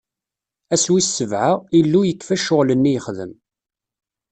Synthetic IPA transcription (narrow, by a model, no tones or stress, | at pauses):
æswisːəvʕailːujəkːfæʃʊʁlənːijəχðə̰m